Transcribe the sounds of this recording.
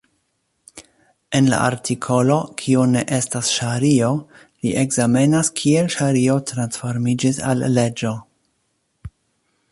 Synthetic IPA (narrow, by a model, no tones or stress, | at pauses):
e̞nla̰ʔa̰ɾtʰikʰo̞lo̞kʰione̞ʔe̞stasʃaɾio̞ | liʔe̞ɡzame̞naskʰie̞lʃaɾio̞tɾansfo̞ɾmid͡ʒisa̰lːe̞d͡ʒo̞